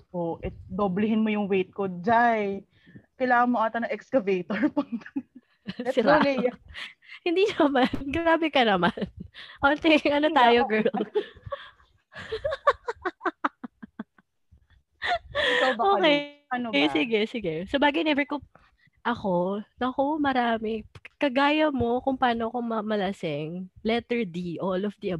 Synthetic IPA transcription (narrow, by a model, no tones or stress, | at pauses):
ʔoʔɛd̪oːblɪɦɪnmojʊŋwejt̪̚kod͡ʒaj | kɐjlaːŋɐŋmoʔaːt̪ɐnɐŋʔɛkskɐvejt̪oɹpɐd̪ | ɛsɪɾaol | hɪnd̪iːnɐmanɡɾaːbɪkɐnɐmanʔolt̪ɛŋʔɐnot̪aːjoɡɛl | oʔoːkɛnsɪɡɛsɪɡɛsobaːɡɐjnɛbɛko | ʔɐko̞nɐko̞mɐɾaːmɪkɐɡaːjɐmo̞kʊŋpaːnoɐkoŋmɐmɐlɐsɪŋlɛt̪ɛɹd̪iʔolɔfd̪iʔɐ